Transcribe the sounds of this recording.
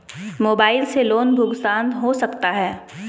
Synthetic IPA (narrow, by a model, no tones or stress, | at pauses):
moːbaːɪlseloːnbʱʊɡsãːnd̪ɦosɐkt̪aɦɛː